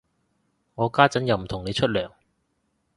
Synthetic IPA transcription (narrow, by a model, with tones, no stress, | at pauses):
ŋɔː˨˧kaː˥t͡sɐ˨˥njɐ˨˧wm̩˨˩t̪ʰʊ˨˩ŋne˨˧jt͡ʃʰɵ˥t̚lœː˨˩ŋ